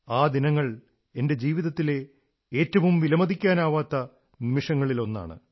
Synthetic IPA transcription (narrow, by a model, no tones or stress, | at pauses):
aːd̪inɐŋːɐɭ | e̞nde̞d͡ʑiːʋiðɐt̪ːile̞ | e̞ːtːɐʋumʋilɐmɐd̪ikʲːaːnaːʋaːt̪ːɐ | nimiʂɐŋːɐɭilo̞nːa̰ːɳɨ̰